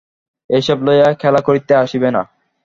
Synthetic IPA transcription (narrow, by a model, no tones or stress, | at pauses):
ejʃɔblojakʰɛlakoɾit̪eaʃibena̰